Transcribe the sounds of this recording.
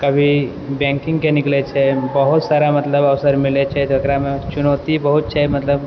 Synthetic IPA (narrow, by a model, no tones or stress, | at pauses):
kəbʱi | bɛ̃ːŋkɪ̃ŋɡkenɪklet͡ʃʰɛbəɦʊt̪saːɾamɐt̪ləbəʋsəɾmɪlet͡ʃʰɛd̪ʱəkɾamẽt͡ʃʊnoːt̪ibəɦut̪̚t͡ʃʰɛmɐt̪ləb